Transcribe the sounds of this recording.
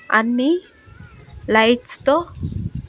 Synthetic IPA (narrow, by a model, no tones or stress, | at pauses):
anːi | lajt͡st̪o